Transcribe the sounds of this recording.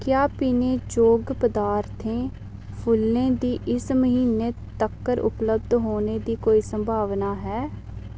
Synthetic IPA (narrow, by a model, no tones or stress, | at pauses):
kjaːpiːneːd͡ʒoːɡpəd̪aːɾt̪ʰẽː | pʰʊlːẽːd̪iːʔɪsməɦiːneːt̪əkːəɾʔʊ̰pləb̚d̪ɦoːneːd̪iːkoːiːsəmbʱaːʋnaːɦɛː